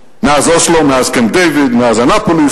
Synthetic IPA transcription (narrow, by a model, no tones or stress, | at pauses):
nazɔslɔnazkɛ̃md̪evɪd̪nazanapoli